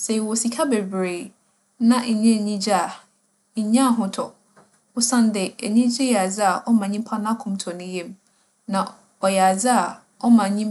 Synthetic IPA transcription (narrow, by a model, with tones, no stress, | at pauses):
se˨i˨wɔ˨si˨kʰa˦be˨bɾe˨ | nã˦˨ɲẽ˦˨ɲĩ˦d͡ʑa˨ | ɲã˦˨ɦʊ̃˨tʰɔ˨ | ʊ˦sã˦ndɪ˨æ˨ɲĩ˦d͡ʑɪ˦jɛ˨a˨d͡zɪ˦a˨ʔɔ˦mã˨ɲĩ˦m˦pʰa˦nã˦kʰʊ̃˦˨mtʰɔ˨nʊ̃˦je˦m | nã˨ | ɔ˨jɛ˨a˨d͡zɪ˦a˨ | ɔ˦mã˨ɲĩ˦m